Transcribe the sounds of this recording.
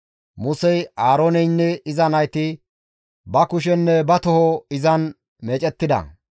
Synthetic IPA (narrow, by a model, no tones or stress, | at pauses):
mʊsɛjaːɾoːnɛjnːɛɪzɐnɐjt̪ɪ | bɐkʊʃ̬ɛnːɛbɐt̪ɔhɔɪzɐn | meːt͡ʃʼɛt̪ːɪd̪ɐ̰